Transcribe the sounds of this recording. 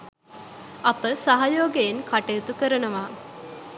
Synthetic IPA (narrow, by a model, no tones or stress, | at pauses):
ɐpəsaɦajoːɡejeŋkaʈejut̪ukəɾənəʋaː